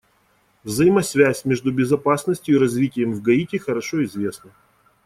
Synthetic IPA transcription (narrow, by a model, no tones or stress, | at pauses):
vzəjimɐsvʲæsʲmʲe̞ʐd̪ʊbʲɪzɐpasnəsʲtʲjʊiɾɐzvʲitʲɪjəmvɡɐitʲɪxəɾɐʂoɪzvʲe̞snə